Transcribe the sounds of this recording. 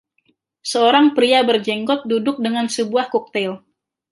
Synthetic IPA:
səoɾaŋpɾiabərd͡ʒɛŋɡɔt̪̚dudʊk̚dəŋansəbuahkɔk̚t̪ɛl

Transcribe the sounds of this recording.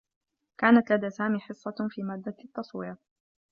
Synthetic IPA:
kaːnat̪lad̪aːsaːmiːħɨsˤːɑfiːmaːd̪ːat̪ːɑsˤwɪja

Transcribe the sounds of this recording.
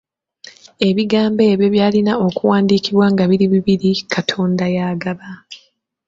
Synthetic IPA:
e̞βiɡaːmbe̞ːβjo̞βjaːlinao̞kuwaːndiːkiβwaŋɡaβiɾiβiβiɾikʰatʰo̞ːndajaːɡaβa

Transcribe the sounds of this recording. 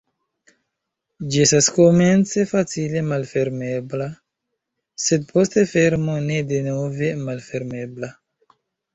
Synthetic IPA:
d͡ʒiestasko̞me̞nt͡se̞fat͡sile̞malfe̞ɾme̞bla | se̞d̚po̞ste̞fe̞ɾmone̞denove̞malfe̞ɾme̞bla

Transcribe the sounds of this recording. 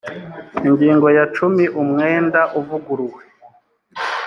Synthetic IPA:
iŋɟiːŋɡo̞jat͡ʃumiʔumŋeːndaʔuvuɡuɾuwe

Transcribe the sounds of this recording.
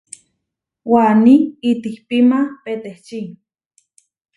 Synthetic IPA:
waniit̪ihpimapet̪eht͡ʃi

